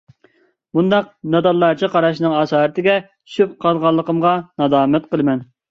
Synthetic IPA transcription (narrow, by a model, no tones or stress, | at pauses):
mund̪ɑq̚nɑd̪ɑlˠːɑɾt͡ʃʰiqɑɾɑʃnɨŋɑsɑːɾɨt̪ʰɪɡʲɛt͡ʃʰy̥ʃyp̚qʰɑlˠʁɑlˠːəqəmʁɑnɑd̪ɑːmɛt̪̚qəlˠɨmɛn